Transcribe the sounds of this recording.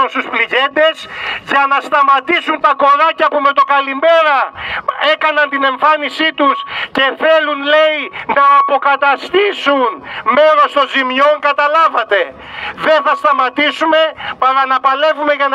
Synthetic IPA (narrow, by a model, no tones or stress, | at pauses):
unst̪uspliʝe̞t̪e̞sʝɐnɐst̪ɐmɐt̪isunt̪ɐko̞ɾɐcɐpume̞t̪o̞kɐlime̞ɾɐe̞kɐnɐnt̪ine̞ɱfɐnisit̪usce̞θe̞lunle̞inɐːpo̞kɐt̪ɐst̪isunme̞ɾo̞st̪o̞nzimjo̞ŋkɐt̪ɐlɐvɐt̪e̞ | ðe̞nθɐst̪ɐmɐt̪isume̞pɐɾɐnɐpɐle̞vume̞ʝɐn